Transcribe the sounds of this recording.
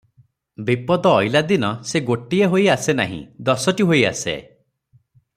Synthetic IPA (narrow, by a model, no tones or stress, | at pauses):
bipɔd̪ɔːjlad̪inɔseɡoʈieɦojasena̰ɦḭ̃d̪ɔsɔʈiɦoja̰sḛ